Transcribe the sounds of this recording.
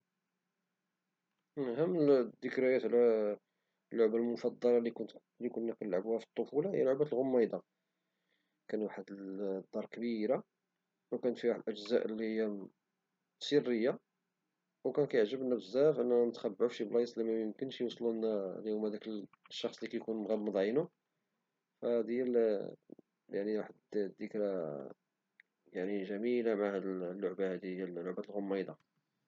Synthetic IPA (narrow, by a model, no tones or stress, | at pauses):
nɦæmːd̪əkɾæjæt̪ʕlæ | lːʊʕbalmʊfɑd̪ˤːɑlɾɑli | likunːæqələlʕbuhæfi̥t̪ˤːofulɑhə̰jːæloʕbæt̪lɣomːɑjd̪ɑ | kænwaħəd̪əd̪ːɑɾˤkbiɾa | wkænət̪fiɾaħd̪lʔəʒzæʔəlːihijːæ | sirːəjːa | wkænkæjəʕʒəbnæbəzːæfʔənːænət̪xæbːʕuʃiblɑjsˤlimæjəmkənʃjwsˤlunæljumæd̪ækl | ʃːɑxsˤlikæjkunmɣæbməd̪ˤʕinu | fæd̪jæl | jaʕniɾˤɑħəd̪d̪əkɾæ | jaʕniʒæmilamʕahæd̪llːʊʕbahæd̪ijælːʊʕbæt̪lɣomːɑjd̪ɑ